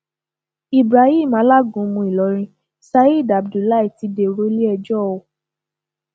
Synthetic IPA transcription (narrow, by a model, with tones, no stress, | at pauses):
i˨bɾa˨ĩ˦˨mã˨˦la˦ɡũ˨˦mũ˧i˨lɔ˨˦ɾ̃ĩ˧ | sa˧i˦˨da˨bdu˨la˦i˦˨ti˨˧˦de˨ɾo˦li˦ɛ˧d͡ʒɔ˦˨o˧˦